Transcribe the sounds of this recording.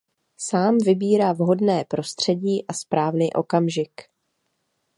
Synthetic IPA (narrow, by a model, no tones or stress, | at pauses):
saːmvɪbiːɾaːvɦo̞dnɛːpɾo̞st̪r̝̥ɛɟiːʔaspɾaːvniːʔo̞kamʒɪk